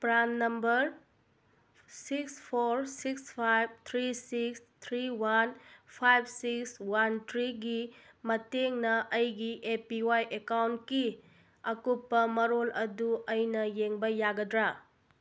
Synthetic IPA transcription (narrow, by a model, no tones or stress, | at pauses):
pɾanːɐmbɐɾ | sikspʰoɾsikspʰajb̚t̪ʰɾisiks | t̪ʰɾiwanpʰajb̚sikswantʰɾiɡi | mɐteŋnɐʔɐjɡiʔepiwajʔekawntki | ɐkupːɐmɐɾolɐduɐjnɐjeŋbɐjaɡɐdɾa